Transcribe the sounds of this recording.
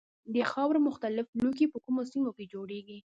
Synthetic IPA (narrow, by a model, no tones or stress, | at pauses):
d̪əxɑwɾmʊxt̪alɪfluk̬ipəkumosimoked͡ʒoɽeɡi